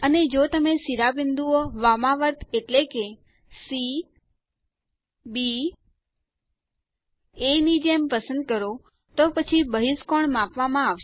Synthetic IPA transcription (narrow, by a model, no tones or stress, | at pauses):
əned͡ʒot̪əmesiɾabɪnd̪uoʋamãʋəɾt̪ʰeʈleke | si | bi | enid͡ʒempəsə̃nd̪̚kəɾo | t̪opət͡ʃʰibəɦiskoɳmãpʋamãaʋʃ